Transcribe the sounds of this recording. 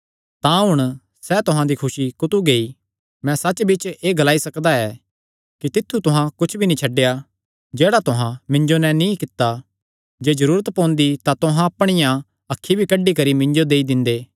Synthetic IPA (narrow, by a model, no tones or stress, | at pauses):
t̪ãɦʊɽ̃ | sɛːt̪ʊɦãd̪ikʰʊʃikʊt̪uɡeːi | mɛ̃sɐt͡ʃːbɪt͡ʃeːɡɐlaːisɐkd̪aɛː | kit̪ɪt̪ʰːut̪ʊɦãkʊt͡ʃʰbʱinĩt͡ʃʰɐɖːeja | d͡ʒeːɽat̪ʊɦãmɪ̃ɲd͡ʒonɛnĩkɪt̪ːa | d͡ʒeːd͡ʒɐɾuːɾət̪pɔ̃ːnd̪it̪ãt̪ʊɦãɐpɽ̃ɪjã | ɐkʰːibʱikɐɖːikɐɾimɪ̃ɲd͡ʒod̪eːid̪ɪ̃nd̪eː